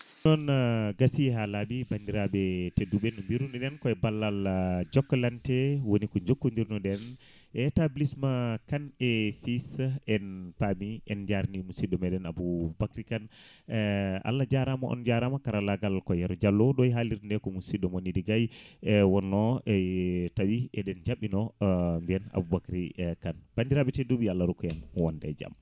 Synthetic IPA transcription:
nɔnɡasiɛɦalaɓibandiɾaɓɛtedːuɓɛnɔmbiɾunɛɗɛnkɔɛbalːald͡ʒɔkːlantɛwonikɔɲd͡ʒokːundiɾnɔɗɛn | ʔɛtablismakanɛfisɛnpamiɛnd͡ʒaɾnimusiɗɔmɛɗɛnabubakɾikan | a̰lːad͡ʒaɾamaʔɔ̰nd͡ʒaɾamakaɾalaɡalkɔjaɾɔd͡ʒalːɔɗɔjɦaliɾndɛkɔmusiɗɔmonidiɡajɛwɔnːɔɛtawiɛɗɛnd͡ʒaɓinɔmbiɛna̰bubakɾikanb̥andiɾabɛtɛdubialːaɾukɔjɛnwɔndɛ̰d͡ʒa̰m

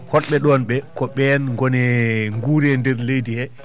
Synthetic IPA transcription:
hɔɗɓɛɗɔnɓɛkɔɓɛnŋɡɔnɛŋɡuːɾiɛndɛɾlejdihɛ

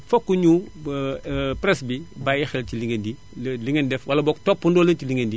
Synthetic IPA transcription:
fokːuɲuː | pɾɛsbibajɛxɛltiliŋendi | liŋendɛfwɐlɐboktopːundoːlentiliŋendi

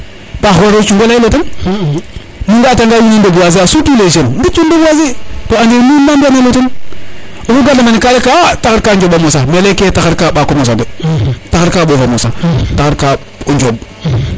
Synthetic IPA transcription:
paxwazet͡ʃuŋɡolailetin | nuɡataŋɡajunidebwaziasutuleʃenndit͡ʃundebazitoanenuamdianelotin | okuɡalamanikalikatakaɾkand͡ʒobomosameleketaxaɾkaɓakomosaditaxaɾkaɓohomosa̰takɾka | und͡ʒob

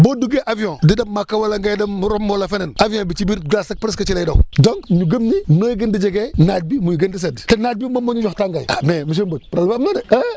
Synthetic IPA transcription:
boduɡeʔaviõdidɐbmakːawalaŋɡajdɐɾomolafenɛnaviõbit͡ʃibiɾɡlasak̚pɾiskat͡ʃilajdo̰doŋkɲuɡɐmninoːjiɡəndid͡ʒeɡenad͡ʒ̚bimujiɡəndis̬ɛdtɐnat̚bimamoɲud͡ʒɔxtaŋɡajamemiʃ̬embot͡ʃpɾalbamnodɛ

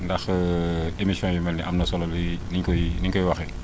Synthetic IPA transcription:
ndɐx | emisjɔ̃jumɛlniʔɐmnɐsɔlɐliniŋkɔniŋkɔjwɐxɛ

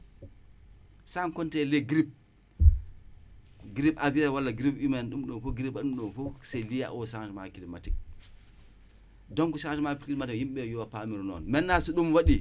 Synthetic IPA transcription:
sankɔntɛleɡɾip̚ | ɡɾipabiɾawalːaɡɾipimanɗumɗɔnfɔɡɾipaɗumɗɔnfɔselija̰ʔɔsaŋtɛmakilimatḭk̚ | dɔŋkusaŋtɛmakikilmatikhimɓɛjɔwapamiɾɔnɔ̰nmɛnːasuɗumwaɗi

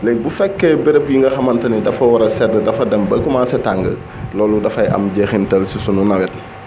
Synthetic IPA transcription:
lɛk̚bufɛkːɛbɛɾepjiŋɡɐxɐmɐntɐnidɐfɐwɐɾɐsɛdədɐfɐdɐmbɐkumasɛtaŋɡə̰ | lɔːludɐfɐjʔɐ̰mɟexintɐlsisununɐwɛt̚

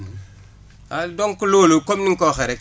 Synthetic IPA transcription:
adɔŋkuloːlukɔmniŋkɔːxɛɾɛk

